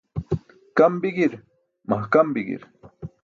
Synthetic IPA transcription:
kambɪɡɪɾ | mahkambɪɡɪ̰ɾ

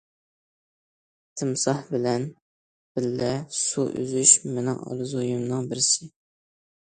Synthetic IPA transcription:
t̪ʰɨmsɑhbɪlɛn | b̥ɪlːɛsuʔø̰zyʃmenɪŋɑ̰lɨzojumnɨŋbɪɾɪsɪ

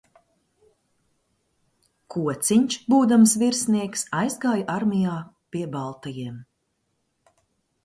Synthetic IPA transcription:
kʰuɔt̪siɲʲt͡ʃbuːd̪amsviɾsniɛksajzɡaːjʔaɾmʲijaː | pʲiɛbalˠt̪ajiɛm

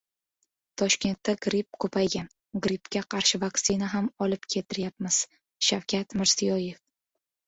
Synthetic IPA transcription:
t̪ʰɒʃkʲe̞nt̪ːaɡɾipkʰɵpʰajɡʲan | ɡɾipkʲaqʰɑɾʃɪvaksinaɦamɒlɪp̚kʲʰe̞t̪ʰɪɾjap̚mɪz̥ | ʃawkʲʰat̪mɪɾz̥ijɒje̞f

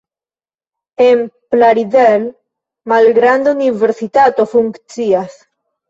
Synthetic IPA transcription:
emplaɾiðel | malɡɾand̪euniβeɾsit̪at̪ofuŋkt͡sias

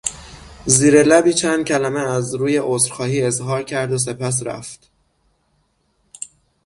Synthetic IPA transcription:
ziːɾelæbiːt͡ʃʰænd̪̥̚cʲʰælæmeæzɾuːjeʔosɾxɒːhiːe̞zɦɒːɾcʰæɾd̪os̬e̞pʰæs̬ɾæ̰ft̪

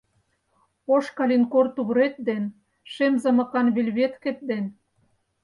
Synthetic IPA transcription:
oʃkɑlʲinkort̪uβɾet̪̚d̪en | ʃemzɤ̆mɤ̆kɑnβelʲβet̪kĕt̪̚d̪en

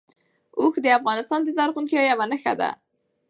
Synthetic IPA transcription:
uxd̪əafɣɑnɪst̪ɑnd̪əzaɾɣunkijɑjawanəxa̰d̪a̰

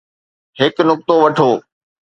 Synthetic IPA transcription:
ɦɪknʊk̚t̪oʋɐʈʰoː

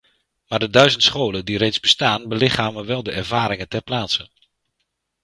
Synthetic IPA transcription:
maːrdədœɥzəntsχoːləndirejtzbəstaːnbəlɪχaːməʋɛlˠdəɛrvaːɾɪŋəntɛrplaːtsən

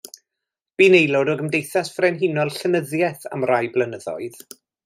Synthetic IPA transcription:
b̥iːnejlˠɔdɔɡəmdejθasfrɛnɦinɔlˠɬənəðjɛθa̰mrajblˠənəðɔ̰ɨð̥

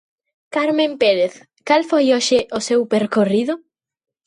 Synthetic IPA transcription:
kaɾmẽmpeɾeθ | kalfojoʃɪʔʊsewpeɾkoriðʊ

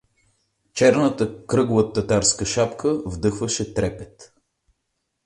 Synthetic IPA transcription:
t͡ʃɛɾnət̪əkɾɤɡlˠət̪ːɐt̪aɾskəʃapkʰəvd̪ɤxvəʃɛt̪ɾɛpɛt̪

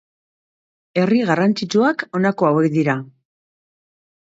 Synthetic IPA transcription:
e̞riɣarant͡sit͡ʃuako̞nako̞awe̞kd̪iɾa

